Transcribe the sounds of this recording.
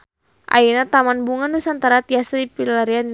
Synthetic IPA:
ʔa̰inat̪amanbuŋandusant̪aɾat̪iasɾipilaɾian

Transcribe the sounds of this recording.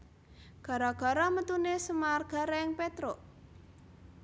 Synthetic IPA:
ɡ̥a̤ɾaɡ̥a̤ɾɔmət̪unesəmarɡ̥a̤ɾeɪŋpet̪ɾo

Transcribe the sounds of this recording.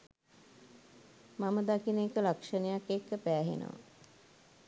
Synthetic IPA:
maməd̪akinekəlakʂənəjakekːəpæːɦḛnə̰ʋa̰

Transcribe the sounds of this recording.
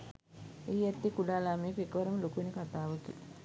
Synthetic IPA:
iːat̪ːikulaːlaːmiːkekːʋɐɾəmɐlokuʋenəkat̪aːʋəkḭ

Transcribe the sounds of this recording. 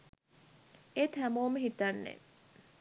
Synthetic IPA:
et̪æmoːməɦit̪ɐnːḛ

